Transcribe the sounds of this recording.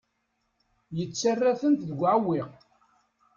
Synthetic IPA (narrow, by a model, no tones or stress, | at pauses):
jət͡sːarːæθənt̪ðəɡʷʕawɪʁ